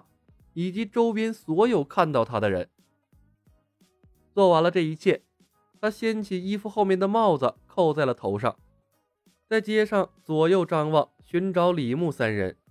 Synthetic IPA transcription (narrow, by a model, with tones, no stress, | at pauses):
i˨˩t͡ɕi˧˥ʈ͡ʂo˥ʊpjɛ˥nswɔ˧˥jo˨˩ʊkʰa˥˧nt̪ɑ˥˩ʊt̪ʰa˥d̪ə˨ɻə̰˧˥n | t͡swɔ˥˩wa˧˥nlə˧ʈ͡ʂɤ˥˩i˧˥t͡ɕʰjɛ˥˩ | t̪ʰa˥ɕjɛ˥nt͡ɕʰi˨˩i˥fu˧xo˥˧ʊmjɛ˥˩nd̪ə˩mɑ˥˩ʊd͡zə˩kʰo˥˧ʊt͡sa˥˩ɪlə˩t̪ʰo˧˥ʊʂ̬ɑ̰˥˩ŋ | t͡sa˥˧ɪt͡ɕjɛ˥ʂɑ˥˩ŋswɔ˧˩jo˥˩ʊʈ͡ʂɑ˥˧ŋwɑ˥˩ŋɕy˧˥nʈ͡ʂɑ˧˥ʊli˨˩mu˥˩sa˥nɻə̰˧˥n